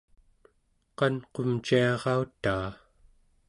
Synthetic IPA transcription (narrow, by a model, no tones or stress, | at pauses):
qɑnqomt͡ʃiɑʁɑut̪ːaː